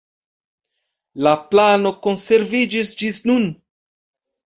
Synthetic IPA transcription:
laplano̞ko̞nse̞ɾvid͡ʒisd͡ʒisnun

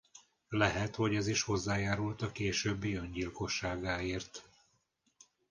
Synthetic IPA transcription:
lɛɦɛt̪ho̞ɟɛziʃho̞zːaːjaːɾult̪ɒkeːʃøːbːiøɲɟilko̞ʃːaːɡaːeːrt̪

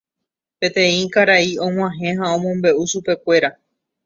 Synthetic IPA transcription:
pẽ̞t̪ẽ̞ĩkaɾaiõŋ̃ãɦẽ̞ɦaõ̞mõmbe̞ʔuʃupe̞kʷe̞ɾa

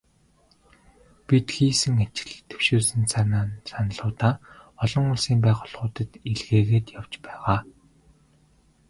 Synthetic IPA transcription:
pʲit̪xiːsɘ̆ŋat͡ɕɪ̥̆ɮt̪ʰe̥wʃuːsɘ̆nsʰanaːnsanə̆ɮʊːt̪aːɔɮɞ̆ŋʊɮsiːmpæːχʊ̆ɮʁʊːt̪ə̆t̪iɮɣeːɣeːt̪jaw̥t͡ɕpæːʁaː

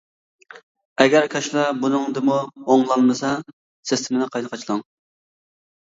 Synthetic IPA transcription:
ɛɡʲæɾkʲʰɑʃlˠɑbunɨŋd̪ɨmuoŋlˠɑnmɨsɑ | sɪst̪ʰɪmɪnɨqʰɑjnəqʰɑt͡ʃʰlˠɑŋ

